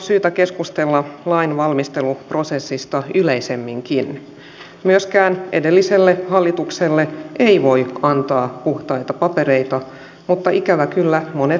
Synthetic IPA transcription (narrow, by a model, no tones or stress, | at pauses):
syːt̪ækeskust̪elːɑlɑinʋɑlmist̪e̞lupro̞sesːist̪ɑyleisemːiŋkin | myøskæːnʔedelːiselːehɑlːit̪ukselːeeiʋo̞iɑnt̪ɑːpuht̪ɑit̪ɑpɑpe̞ɾe̞it̪ɑ | mut̪ːɑikæʋækylːæmone